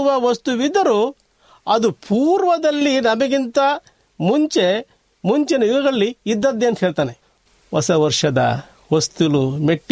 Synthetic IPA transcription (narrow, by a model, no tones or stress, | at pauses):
ʋɐʋɐst̪uʋid̪ːɐɾu | ɐd̪upʰuːɾʋɐd̪ɐlːinɐmɐɡint̪ɐ | muɲt͡ʃe | muɲt͡ʃɛnɐjuɡɐɡɐɭːiːd̪ːɐd̪ːeːnt̪ɦeːɭt̪aːne | ʋɐsɐʋɐɾʂɐd̪ɐ̰ | ʋɐst̪ulumeʈː